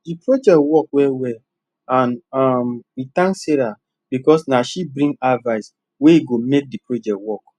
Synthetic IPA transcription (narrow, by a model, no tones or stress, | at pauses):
dipɹod͡ʒɛtwɔkwɛwɛl | ãnɔmwitãŋksɛɾa | b̥ikɔsnaʃibɾĩŋɡavaɪs | weiɡomek̚dipɹod͡ʒɛk̚twɔk